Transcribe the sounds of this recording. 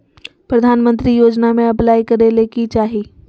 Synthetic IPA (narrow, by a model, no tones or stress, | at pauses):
pɾɐd̪ʱaːnmə̃nt̪ɾijoːd͡ʒnamẽɐplaːikɐɾeleːkit͡ʃaːɦiː